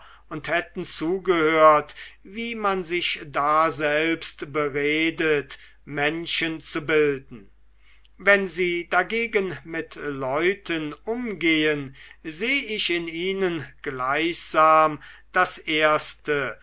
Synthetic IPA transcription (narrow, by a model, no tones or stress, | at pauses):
ʊnthɛtn̩t͡suːɡəhøːɐtviːmanzɪçdaːzɛlpstbəʁeːdət | mɛnʃənt͡subɪldn̩ | vɛnziːdaɡeːɡənmɪtlɔʏtʰənʔʊmɡeːənzeːɪʃɪniːnənɡ̥laɪçz̥aːmd̥asʔeːɐstə